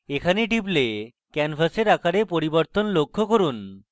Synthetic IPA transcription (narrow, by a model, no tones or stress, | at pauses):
ekʰaneʈiple | kɛnfaseɾakʰaɾepoɾiboɾt̪onlokʰːokoɾun